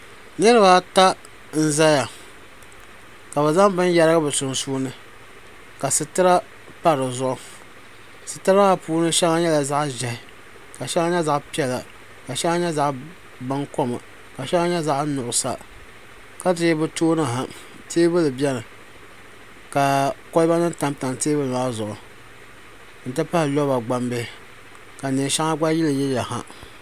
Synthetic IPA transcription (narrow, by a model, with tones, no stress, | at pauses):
nɨ˦ɾɨ˦ba˦ta˦ | n̩˦za˦ja˨ | ka˨ba˨za˦ŋbɨ˦nja˦ɾɨ˦ɡɨ˦bɨ˨sʊ˨nsuː˦nɨ˦ | ka˨sɨ˨tɨ˦ɾa˦ | pa˦ɾɨ˨zʊ˦ʔʊ˦ | sɨ˨tɨ˦ɾa˦a˦puː˦nɨ˦ʃɛ˦ŋa˦ɲɛ˦la˨za˦ʔʒɛ˨hɪ˨ | ka˨ʃɛ˦ŋa˦ɲɛ˦za˦ʔpi˦ɛ˨la̰˨ | ka˨ʃɛ˦ŋa˦ɲɛ˦za˦ʔ | ba˦ŋko˦ma̰˨ | ka˨ʃɛ˦ŋa˦ɲɛ˦za˦ʔnʊ˨ʔʊ˨sa̰˨ | ka˦tɪ˦bɨ˦toː˦nɨ˦ɦa˨ | tʰeː˦bɨ˦lɨ˨bɛ˦nɨ˨ | ka˨ko˦lba˦nɨ˦n˦ta˦mta˨nteː˦bɨ˦la˦zʊ˨ʔʊ˨ | n̩˨tɨ˦pa˦hɪ˨lɔ˦ba˨ɡ͡ba˦mbe˦ | ka˨neː˨ʃa˦ŋa˦ɡ͡ba˦ji˦lɨ˨jɛ˦lja˨ha̰˦